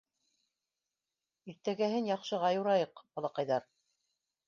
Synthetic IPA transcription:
iɾt̪æɡæɦɘnjɑqʃɤ̆ʁɑjuɾɑjɤqbɑlˠɑqɑjðɑɾ

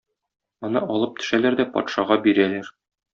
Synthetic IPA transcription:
ɒ̆nɤʔɒlˠɤp̚t̪ɵ̥̆ʃælæɾd̪æpɒ̰t̪ʃɑʁɑbiɾælæɾ

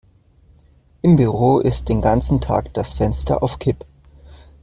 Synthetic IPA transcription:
ʔɪmbyʁoːʔɪst̚d̥eːnɡant͡sn̩tʰa̰ːkd̥asfɛnstɐ̰ʔa̰ʊfkʰɪp

